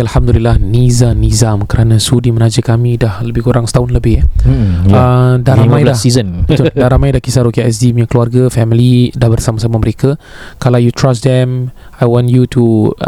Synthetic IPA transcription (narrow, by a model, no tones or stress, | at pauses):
alhamdulilːahnizanizamkəɾanãsudimənad͡ʒəkamĩdahləbɪhkuɾaŋsə̥t̪aʊnləbɪh | ədaɾamãjdasizənbət̪uldaɾamajdahkisaɾokiɛsdimɲãkluarɡafɛmilidahbərsamasamaməɾekakalawjut̪ɾasd̪ɛm | ajwɔ̃njutu